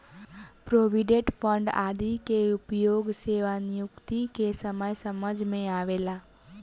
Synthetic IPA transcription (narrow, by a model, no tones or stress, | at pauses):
pɾoːʋiɖẽʈpʰə̃ɳɖa̰ːd̪ikeʊpjoːɡseːʋanjʊkt̪ikesəməjsəməd͡ʒʱmẽaːʋeːlaː